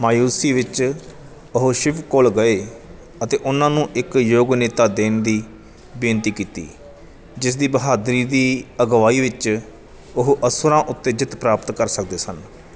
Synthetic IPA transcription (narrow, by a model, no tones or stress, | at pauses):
maːjuːsiːʋɪt͡ʃ | ʊɦʃɪʋkʊlɡəeː | ət̪eːʔʊnãːnũːʔɪkjoːɡnɪt̪aːd̪eːnd̪iː | bɪnt̪iːkiːt̪ḭː | d͡ʒɪsd̪iːbəɦaːd̪ɾiːd̪iːəɡʋaːiːʋɪt͡ʃ | ʊɦʔəsʊɾãːʔʊt̪ːeːd͡ʒɪt̪pɾaːpət̪kəɾsək̚d̪eːsən